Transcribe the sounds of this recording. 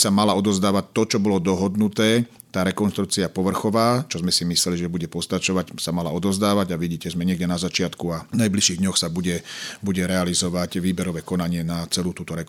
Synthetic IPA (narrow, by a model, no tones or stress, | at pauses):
samalaɔd̪ɔzd̪aːʋac̚t̪ːɔt͡ʃɔbɔlɔd̪ɔɦɔd̪nut̪ɛː | t̪aːɾɛkɔnʃt̪ɾuk̚t͡siapɔʋr̩xɔʋaːt͡ʃɔzmɛsimislɛliʒɛbuɟɛpɔst̪at͡ʃɔʋacsamalaɔd̪ɔzd̪aːʋaɟaʋiɟiːcɛzmɛɲɪɛɡɟɛnazat͡ʃɪat̪kuanajbliʃiːɣd̪ɲɔxsabuɟɛbuɟɛɾɛalizɔʋacʋiːbɛɾɔʋɛːkɔnaɲɪɛnat͡sɛluːt̪uːt̪ɔɾɛk